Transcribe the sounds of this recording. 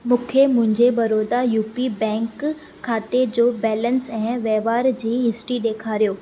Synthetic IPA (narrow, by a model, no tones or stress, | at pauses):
mũːkʰemʊ̃ɦɪ̃ɲd͡ʑebɐɾoːd̪ajuːpibɛ̃ːŋkʰː | aːt̪ed͡ʑoːbɛːlənsɛ̃ːʋɛːʋaːɾd͡ʑiːɦɪsʈɾiɗeːkʰaːɾijoː